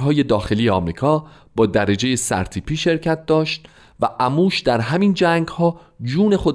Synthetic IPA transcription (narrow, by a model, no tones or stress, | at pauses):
ɦɒːje̞d̪ɒːxe̞lijeɒːmɾiːkʰɒː | bɒːd̪æɾed͡ʒeje̞sæ̰ɾt̪ʰiːpʰiːʃe̞ɾcʰæt̪̚d̪ɒːʃt̪̚ | væʔæmuːʃd̪æɾɦæmiːnd͡ʒæːŋɡhɒː | d͡ʒuːne̞xo̞d̪